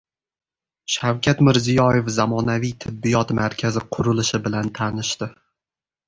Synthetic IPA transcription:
ʃawkʲʰat̪mɪɾzijɒjefzamɒnavijt̪ʰɪbːijɒt̪maɾkʲʰazɪqʰʊɾʊlɪʃɪbɪlant̪ʰanɪʃt̪ɪ

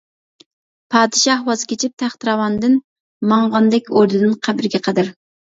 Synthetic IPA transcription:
pʰɑːd̪ɨʃɑhwɑzɨkʲʰet͡ʃʰip̚t̪ʰæχt̪ɨɾɑwɑnd̪ɨn | mɑŋʁɑnd̪ɛkʲoɾd̪ɨd̪ɨnqʰæbɾɪɡʲɛqʰəd̪ɪɾ

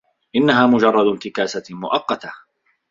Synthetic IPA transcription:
ʔɪnːaɦaːmʊd͡ʒɑrˤːɑd̪ʊnt̪ɪkaːsamʊʔɑqːɑt̪a

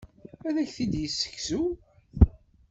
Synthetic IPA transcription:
æðæçθid̪jəsːə̥kːsu

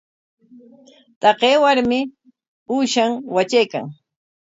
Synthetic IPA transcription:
t̪ɑqeːwaɾmɪ | uːʃaŋwat͡ʃajka̰ŋ

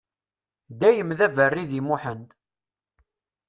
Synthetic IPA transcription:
d̪æjəmðævərːiðimuħənt̪

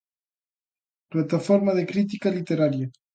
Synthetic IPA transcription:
plat̪afoɾmaðekɾit̪̬ikalit̪eɾaɾja

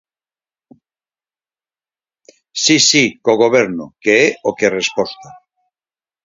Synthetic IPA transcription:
sisikoɣ̞o̞β̞eɾnokeeokere̞spost̪a

